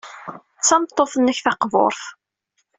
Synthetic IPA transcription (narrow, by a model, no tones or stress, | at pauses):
t͡sːɑmt̪ˤːoθənːəçθɑqvo̰ɾˤθ